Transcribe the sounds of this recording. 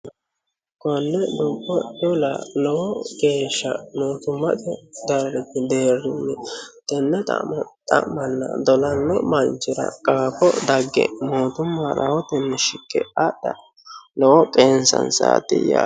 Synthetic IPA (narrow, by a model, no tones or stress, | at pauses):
kɔnːɛd̪ʊmpʼːɔʊlɐ̰lɔwɔɡe̞ːʃːɐnoːt̪ʊmːɐt̪ɛd̪ɐɾɾɛt̪ɪd̪eːrːɪnːɛt̪ɛnːɛt̪ʼɐ̰t̪ʼɐ̰ʔmɐnːɐ̰d̪ɔlɐnːɔmɐnt͡ʃːɪɾɐ̰kʼaːfɔd̪ɐɡːɛ̰moːt̪ʊmːɐɾɐ̰wɔt̪ɛnːɛʃɪkːɛ̰ɐdɐ̰ | lɔwɔkʼeːnsɐ̰nsa̰ːt̪ːɪ̰ja̰